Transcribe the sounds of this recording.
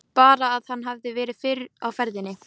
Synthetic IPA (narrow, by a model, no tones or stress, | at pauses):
paːɾaːðhanːɦavðɪvɛːɾɪðfɪːɾawfɛɾðɪnːɪ